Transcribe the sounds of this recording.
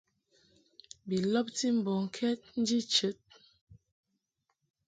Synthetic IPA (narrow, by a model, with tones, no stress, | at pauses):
bi˨lɔ˦p̚ti˦m̩˨bɔ˨ŋ˨kʰɛ˦t̚n̩˦d͡ʒi˦t͡ʃə˨˦t̚